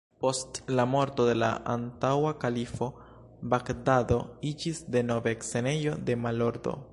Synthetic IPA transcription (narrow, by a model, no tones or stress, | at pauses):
po̞stlamo̞ɾto̞de̞la̰ʔa̰ntawakalifo̞ | bakdado̞id͡ʒisde̞no̞vekse̞ne̞jo̞de̞malo̞ɾdo̰